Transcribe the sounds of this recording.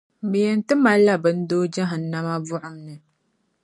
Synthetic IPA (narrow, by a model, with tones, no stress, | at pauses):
bɨ˨jɛ˨n˦tɨ˦ma˦lːa˦bɨ˦n̩˦doː˦d͡ʒa˦ɦɨ˨n̩ːa˦ma˦vʊ˦ʔʊ˨mnɨ˨